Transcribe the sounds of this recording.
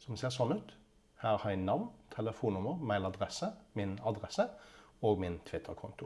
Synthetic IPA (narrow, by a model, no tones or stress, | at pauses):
sɔmseːʁsɔnːʉt̪ | hæːʁhɑjænɑʋnt̪ʰɛləfuːnʊməʁmæɪlɑd̪ʁɛsəmɪnɑd̪ʁɛsəoːɡmɪnt̪ʰʋɪt̪ʰːəʁkʰʊ̰nt̪ʊ